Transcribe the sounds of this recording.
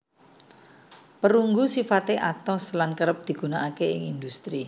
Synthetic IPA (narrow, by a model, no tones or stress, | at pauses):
pəɾuŋɡusifat̪eʔat̪ɔslankəɾəp̚d̪̥i̤ɡ̥ṳnaʔakeɪŋind̪ust̪ɾi